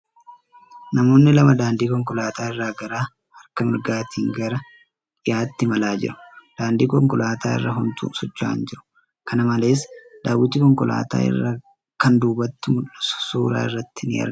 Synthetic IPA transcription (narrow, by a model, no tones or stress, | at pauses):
nɐmo̞ːnːɪlɐmɐd̪aːnd̪iːkɔŋkɔlaːt̪ʰaːɪrːaːɡɐɾaː | hɐɾkɐmɪɾɡaːt̪ʰiːŋɡɐɾɐ | ɪjaːt̪ːɪmɐlaːd͡ʒɪ̰ɾʊ̥d̪̥aːnd̪iːkɔŋkɔlaːt̪ʰaːɪ̰rːɐɦʊnt̪ʰṵːsɔt͡ʃːa̰ːnd͡ʒɪɾʊ̥ | kʰɐnɐmɐle̞ːsd̪̥aːwːɪt̪ːɪkɔŋkɔla̰ːt̪a̰ːɪ̰rːa | kɐnd̪uːbɐt̪ːɪmʊᶑɐssuːɾa̰ːɪrːɐt̪ːɪnɪ̰ɐ̰